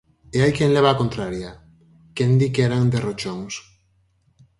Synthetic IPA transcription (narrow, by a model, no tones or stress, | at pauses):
eajkeŋleβ̞aːkont̪ɾaɾja | kend̪ikeɾaŋd̪erot͡ʃoŋs